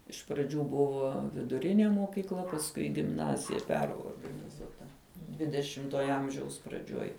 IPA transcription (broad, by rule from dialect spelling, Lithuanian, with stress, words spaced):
ɪʃ prɐˈd͡ʒʲuː ˈbʊʋoː ʋʲɪdʊˈrʲɪnʲeː moːkʲiːkˈlˠɐ pɐsˈkʊɪ ɪ ɡʲɪmˈnɑːzʲɪjɛ ˈpʲæːroːrɡɐnʲɪzuɔtɐ ˈdʲʋʲɪdʲɛʃʲɪmtuɔjɛ ˈɐmʲʒʲɛʊs prɐˈd͡ʒʲuɔj